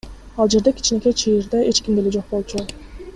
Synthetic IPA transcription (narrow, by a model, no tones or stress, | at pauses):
ɑlˠd͡ʒe̞ɾd̪ekʲʰi̥t͡ʃne̞kʲet͡ʃʰijiɾd̪eʔe̞t͡ʃkʲimd̪eled͡ʒo̞q̚bo̞lˠt͡ʃʰu